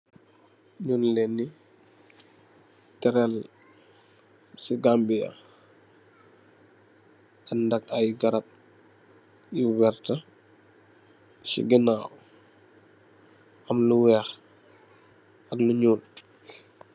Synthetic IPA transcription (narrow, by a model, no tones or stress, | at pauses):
ɲuːnlɛnːi | tɛɾɛl | siɡambija̰ | andɐk̚ajɡɐɾɐp̚ | jiwɛɾtɐ | sḭɡinaːw | ɐmluwɛːx | ɐkluɲuːn